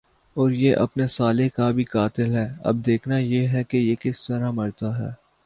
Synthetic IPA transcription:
ɔːɾjeʔɐ̰pnesaːlekabʱikaːt̪ɪlɦɛːɐ̰b̚d̪eːkʰnajeɦɛkejekɪst̪ɐɾamɐɾt̪aɦɛ̰ː

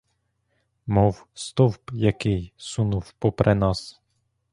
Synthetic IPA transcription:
mɔw | st̪ɔwpjɐkɪjsunuwpɔpɾʔɛnɑs

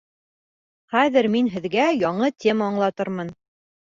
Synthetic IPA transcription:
χæðɘɾminɦɘ̆ðɡæjɑɴɤt̪ʲʰe̞maːɴlˠɑt̪ɤɾmɤn

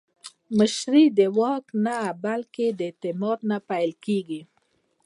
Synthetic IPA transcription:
mɪʃɾid̪əwɑknabalked̪ət̪ɪmɑɾnapajlkeɡi

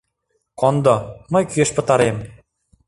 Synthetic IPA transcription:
kond̪omɤjkyeʃpɤ̆t̪ɑɾem

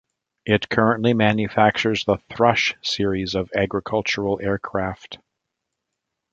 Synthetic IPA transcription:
ɪt̚kʰɜ˞ə̃nʔlimæ̃njɨfæk̚t͡ʃə˞zðəθɹʌʃsɪɹizʌvæɡɹɨkʰʌlˠt͡ʃə˞l̩ˠɛɹkʰɹ̥æft

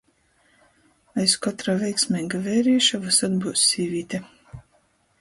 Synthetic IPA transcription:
ajskɔt̪ɾaːvʲɛjksʲmʲɛːɡavɛːɾiːʃavasad̪buːsʲːiːvʲiːt̪ʲɛ

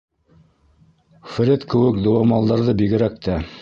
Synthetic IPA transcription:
fɘ̆ɾʲɘt̪kɘ̆wɘkd̪ŏwɑmɑlˠd̪ɑɾðɤbiɡɘ̆ɾæk̚t̪æ

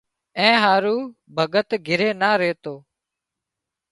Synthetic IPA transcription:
ɛ̃ːɦaːɾuː | bʱəɠət̪ɡʱɪɾeːnaːɾeːt̪oː

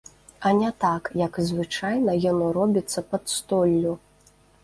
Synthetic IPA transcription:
ɐnʲɛt̪akjɐkzvɨt͡ʂajnɐjɔnrɔbʲit̪sːɐpɐt̪st̪ɔlʲːu

